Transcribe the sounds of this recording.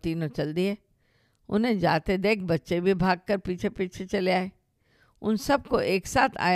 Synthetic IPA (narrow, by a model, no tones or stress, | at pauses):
t̪iːnot͡ʃɐld̪iɦɛː | ʊ̰nɦẽd͡ʒaːt̪ed̪eːk̚ʰbɐtːʃebʱibʱaːɡ̚kəɾpiːt͡ʃʰepiːt͡ʃʰet͡ʃɐleaːeː | ʊ̰nsɐb̚koʔeːksaːt̪ʰa̰ːj